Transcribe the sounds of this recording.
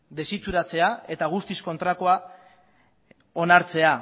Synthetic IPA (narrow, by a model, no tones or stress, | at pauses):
d̪e̞sit͡suɾat͡se̞ae̞t̪aɣ̞ust̪isko̞nt̪ɾakoa | o̞naɾt͡se̞a